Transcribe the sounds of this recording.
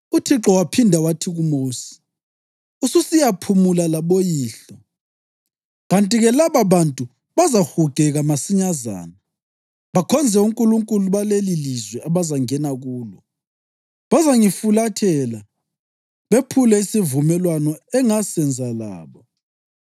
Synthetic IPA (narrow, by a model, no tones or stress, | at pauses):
utʰiǁɔwapʰindʱawatʰiɣumoːsi̥ | ususijapʰumulalaβojiːɬɔ | ɣantʼiɣɛlaβaβantʼu | βazaxuɡ̥ʱɛɣamasiɲaza̰ːna | βakʰɔnd͡zʱɛuŋkʼuluŋkʼuluβalelilizwɛʔaβazaŋɛnaɣuːlɔ | βazaŋifulatʰɛla | βepʰulɛisivumɛlwanɔɛŋasɛnd͡zʱala̰ːβɔ